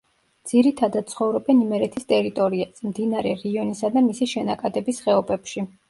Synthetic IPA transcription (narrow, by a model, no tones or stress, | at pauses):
d̪z̥iɾit̪ʰad̪at̪t̪sʰχɔvɾɛbɛnimɛɾɛt̪ʰist̪ʼɛɾit̪ʼɔɾiasmd̪inaɾɛɾiiɔnisad̪amisiʃɛnakʼad̪ɛbisχɛɔbɛpʃi